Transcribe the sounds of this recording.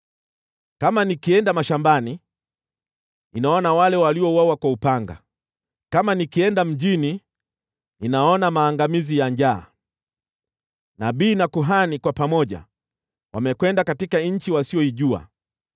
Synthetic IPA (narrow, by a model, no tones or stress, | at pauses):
kamanikiɛndamaʃambani | ninaɔnawalɛwaliɔwawakwaupaŋɡa̰ | kamanikiɛndam̩d͡ʒini | ninaɔnamaːŋɡamizijaɲd͡ʒaː | naɓiːnakuɦanikwapamɔʄa̰ | wamɛkwɛndakatikaɲ̩t͡ʃiwasiɔiʄua̰